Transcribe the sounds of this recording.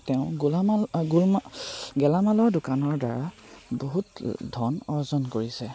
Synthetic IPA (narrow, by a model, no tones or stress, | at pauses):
tɛʊ̃ɡulaɡ | ɡɛlamalɔɹdʊkanɔɹda̰ɹa | boɦutdʱɔnɔɹzɔnkoɹisɛ